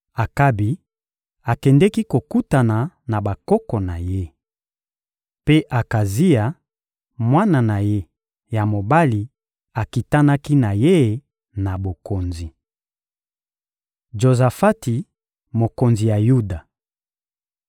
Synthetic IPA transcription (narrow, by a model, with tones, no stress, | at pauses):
a˨ka˦bi˨ | a˨kɛ˨ndɛ˦ki˦ko˨ku˦ta˨na˨na˨ba˨kɔ˦kɔ˨na˨je˦ | pe˦ʔa˨ka˨zi˦a˨ | mwa˦na˨na˨je˦ | ja˨mo˨ba˦li˨ | a˨ki˨ta˦na˦ki˦na˨je˦˨ | na˨bo˨ko˨nzi˨ | ʒo˨za˨fa˦ti˨ | mo˨ko˨nzi˨ja˨ju˦da˨